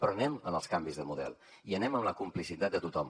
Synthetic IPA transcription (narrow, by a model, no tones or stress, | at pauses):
pɾɔənɛmənəlˠskambizðəmuðɛ̰lˠ | iənɛməmləkumplisit̪at̪̚d̪ət̪ut̪ɔm